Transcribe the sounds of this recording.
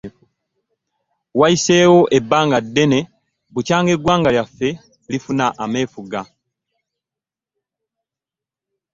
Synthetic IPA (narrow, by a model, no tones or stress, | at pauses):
waiseːwo̞ʔebːaːŋɡadːe̞ne̞ | βucaːŋɡe̞ɡwaːŋɡaljafːe̞ | lifunaʔame̞ːfuɡa